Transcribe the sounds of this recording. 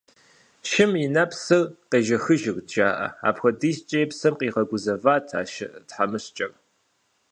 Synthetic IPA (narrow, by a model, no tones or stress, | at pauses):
ʃɪminɐpsɨrqeːʒɐxɨʒɪrdʒaːʔɐ̰a̰ːpxʷɐdiːst͡ʃʼɐjpsɐmqiːʁɐɡʷʊzɐvaːtʰa̰ːʃɪ̰tħamɨɕt͡ʃʼɐr